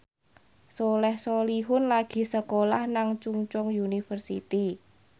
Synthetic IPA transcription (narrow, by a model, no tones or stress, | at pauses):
solɛhsoliɦʊnlaɡ̥i̤səkolahnaŋt͡ʃuŋt͡ʃʊŋjunifərsḭt̪i